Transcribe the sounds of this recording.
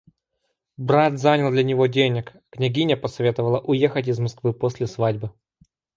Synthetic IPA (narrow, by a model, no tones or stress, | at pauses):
bɾat̪zanʲəlˠd̪lʲɐnʲɪvo̞dʲenʲɪk | knʲɪɡʲinʲəpəsɐvʲe̞t̪əvəlˠəʔʊjexətʲɪzmɐskvɨposʲlʲɪsvadʲbɨ